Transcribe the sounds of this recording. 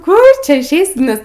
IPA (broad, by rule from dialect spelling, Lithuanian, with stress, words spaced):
ˈkʊr ˈt͡ʃʲɛ ɪʃʲˈɛɪsʲɪ ˈnʲɛs